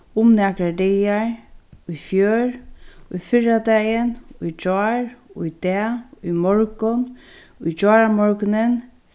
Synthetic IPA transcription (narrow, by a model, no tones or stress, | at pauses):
ʊmnɛkɾadejaɹujfjøːɹujfɪɹad̪ɛjənujd͡ʒɔːɹjd̪̥ɛːujmɔɹkʊn | ujd͡ʒɔːɾamɔɹknɪn